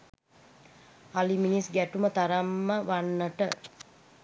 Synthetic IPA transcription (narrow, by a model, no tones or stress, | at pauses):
aliminisɡæʈumət̪aɾamːəʋanːəʈə